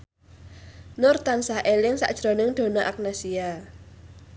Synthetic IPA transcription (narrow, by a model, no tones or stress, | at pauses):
nʊrt̪ansahʔelɪŋsa̰ʔd̥ʒ̥ɾonɪŋd̪̥o̤naʔak̚nasia